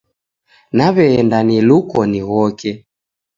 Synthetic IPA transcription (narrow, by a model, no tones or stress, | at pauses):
naβɛːndanilukɔniɣɔkɛ